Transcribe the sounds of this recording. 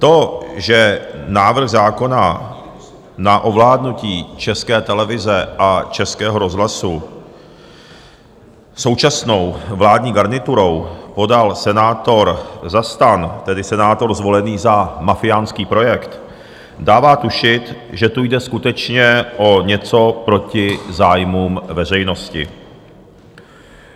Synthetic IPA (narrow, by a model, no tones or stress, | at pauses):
t̪o̞ʒɛnaːvr̩ɣzaːko̞na | naʔo̞vlaːdnuciːt͡ʃɛskɛːt̪ɛlɛvɪzɛʔat͡ʃɛskɛːɦoɾo̞zɦlasu | so̞wt͡ʃasno̞wvlaːdɲiːɡaɾnɪt̪uɾo̞wpo̞dalsɛnaːt̪o̞ɾzast̪ant̪ɛdɪsɛnaːt̪o̞ɾzvo̞lɛniːzamafɪjaːnskiːpɾo̞jɛkt̪ | daːvaːt̪uʃɪt̪ʒɛt̪ujdɛskut̪ɛt͡ʃɲɛʔo̞ɲɛt͡so̞pɾo̞cɪzaːjmuːmvɛr̝ɛjno̞scɪ̰